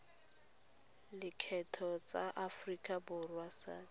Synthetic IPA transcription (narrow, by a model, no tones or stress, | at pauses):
lɪkʰɛtʰɔt͡saʔafrikʼabʊrwasa̰ːd